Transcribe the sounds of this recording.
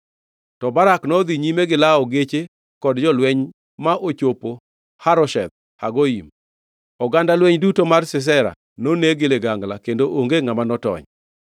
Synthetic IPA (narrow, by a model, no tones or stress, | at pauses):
tɔbaɾaknɔd̪iɲimeɡɪlaɔɡet͡ʃe | kɔdd͡ʒɔlwɛɲ | maʔot͡ʃopo | haɾɔʃɛ̰d̪̚ | ha̰ɡoḭm | ɔɡandalwɛɲdutomarsɪs̬ɛɾa̰ | noneɡeleɡaŋɡlakendoʔoŋɡeŋamanɔtɔ̰ɲ